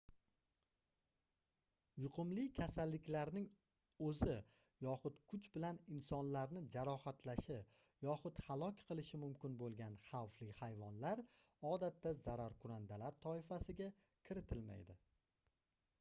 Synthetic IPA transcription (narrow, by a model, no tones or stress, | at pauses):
jʊqʰʊmlɪkʲʰasalːɪkʲlaɾnɪŋ | ɵzɪ | jɒχʊt̪kʰʊt͡ʃbɪlanɪnsɒnlaɾnɪd͡ʒaɾɒhat̪ʰlaʃɪ | jɒχʊt̪halˠɒkʲqʰɨlˠɪʃɪmʊmkʲɪnbolˠɡʲanχawflɪhajvɒnlaɾ | ɒd̪at̪ːazaɾaɾkʰʊɾand̪alaɾt̪ʰːɒɪfasɪɡʲa | kʲʰɪɾɪt̪ʰɪlma̰jd̪ɪ